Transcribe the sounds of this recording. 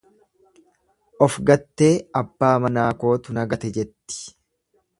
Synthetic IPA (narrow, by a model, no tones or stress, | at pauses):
ʔɔfɡɐt̪ːe̞ːɐbːaːmɐnaːko̞ːt̪ʊnɐɡɐt̪ɛd͡ʒɛt̪ːɪ̥